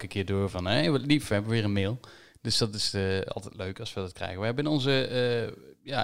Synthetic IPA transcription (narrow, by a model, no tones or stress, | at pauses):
kəkʰɪədoːvɔnʋəlifɛbəʋəʋɪːrənmɪːlˠ | d̥øsd̥ɔtɪsəɑ̰lˠtɛtløɥkɑsʋədɑt̚krɛ̰jɣəʋəɦɛbəɪnɔnzə | ja